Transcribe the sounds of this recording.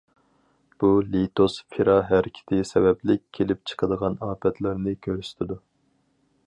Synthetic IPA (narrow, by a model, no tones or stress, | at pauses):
b̥ulit̪ʰosfʰiɾɑɦæɾɪkʲʰɪ̥t̪ʰɪsɛbɛplɪkʲkʲʰːelɪp̚t͡ʃʰə̥qʰəd̪əʁɑnɑːpʰɛt̪ʰlæɾnɪkʲʰøɾsy̥t̪ʰɪd̪u